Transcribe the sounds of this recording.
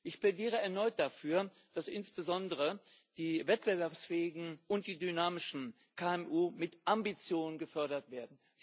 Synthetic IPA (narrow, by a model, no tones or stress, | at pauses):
ʔɪçplɛdiːʁ̞əɛɐnɔʏt̚d̥afyːɐ | d̥asʔɪnsb̥əzɔndəʁə | d̥iːvɛt̚b̥əvɛɐpsfɛːɪɡŋ̩ʔʊnt̚d̥iːdynaːmɪʃn̩ | kʰaːɛmʔuːmɪtʔambit͡sjoːnənɡəfœɐɾɐtv̥eːɐdn̩ | z